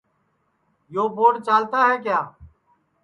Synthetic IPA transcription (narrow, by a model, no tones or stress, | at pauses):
joːboːɽt͡ʃaːlt̪aːɦɛːkjaː